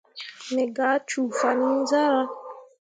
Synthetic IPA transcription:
nɛ˨ɡa˨˦t͡ʃu˨fa˨ni˦za˦ɾa˦

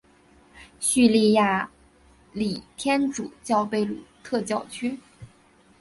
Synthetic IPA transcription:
ɕy˥˧li˥˧ja˥˩ | li˨˩t̪ʰjɛ˥nʈ͡ʂṵ˨˩t͡ɕjɑ˥˧ʊpe˥˩ɪlṵ˨˩t̪ʰɤ˥˧t͡ɕjɑ˥˩ʊt͡ɕʰy˥

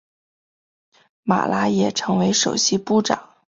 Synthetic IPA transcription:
ma̰˨˩lʔa˧˥jɛ˨˩ʈ͡ʂʰɤ˧˥ŋwe˧˥ɪʂo˨˩ʊɕi˥pu˥˩ʈ͡ʂɑ̰˨˩˦

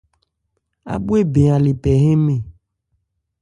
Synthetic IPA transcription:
a̰˨bu˦e˦be˨a˨le˨pɛ˨ɦe˦mẽ˨

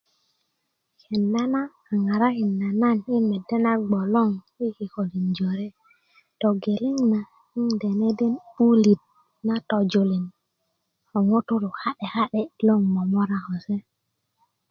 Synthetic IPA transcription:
ke˨nda˦naː˦˨ŋa˨ɾa˦ki˨nːa˨na˦˨ni˦mɛ˨dːe˦na˦ɡ͡bɔ˨lo˦˨ŋ | i˦ki˨ko˨li˨nd͡ʒo˨ɾe˦ | tɔ˨ɡe˨li˦ŋna˨ | i˦ŋde˨ne˦de˦nu˦li˨t̚ | na˦tɔ˨d͡ʒo˨li˨n | ɔ˨ŋo˦tu˦ɾu˨ha˦ɗe˨ha˦ɗɛ˦lo˦˨ŋmɔ˨mɔ˦ɾa˨hɔ˨se˦

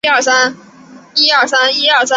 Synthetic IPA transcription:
a˥˩sa˥n | i˥ɐ˥˩sa˥ni˥a˥˩sa˥

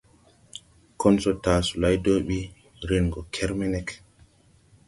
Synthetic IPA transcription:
kɔ˦nsɔtaː˨su˨la˦jdo˦ɓi˦ | ɾi˦nɡɔ˨kʰɛ˦ɾmɛnɛk

